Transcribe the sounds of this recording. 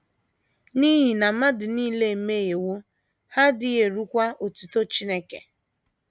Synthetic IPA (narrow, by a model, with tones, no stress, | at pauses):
ni˦ɦi˨na˨ma˦dɪ˨niː˦le˦˨˦me˦ɣe˨wo˦ | ha˦dɪ˨e˨ɾu˦kʷa˦ʔo˨tu˨to˦t͡ʃi˦ne˦kḛ˨